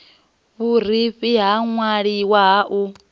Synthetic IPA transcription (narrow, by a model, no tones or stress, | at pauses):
βur̤iɸiɦaŋwaɺiwaɦaʔu